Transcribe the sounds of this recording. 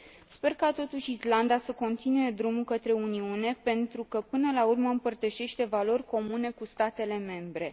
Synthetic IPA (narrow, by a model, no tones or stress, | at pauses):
spe̞rkat̪o̞t̪uʃʲisland̪asəko̞nt̪inue̞d̪ɾumukət̪ɾe̞uniune̞pe̞nt̪ɾukəpɨnəlaurməɨmpərt̪əʃe̞ʃt̪e̞valo̞rʲko̞mune̞kust̪at̪e̞le̞me̞mbɾe̞